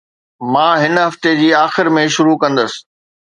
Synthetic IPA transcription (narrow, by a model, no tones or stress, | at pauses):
mãːɦɪnɦɐft̪ed͡ʑiːaːxɪɾmẽʃʊɾukɐ̃nd̪əsɪ̥̆